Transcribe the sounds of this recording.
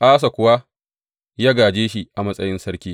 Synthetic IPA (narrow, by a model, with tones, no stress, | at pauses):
ʔaː˦s̬a˨kʷʊ˨wa˦ | jaː˦ɡaː˨d͡ʒeː˦ʃi˨ʔa˨mɐ˦sʼɐ˦jɪ˦nsɐ˦ɽkʲiː˦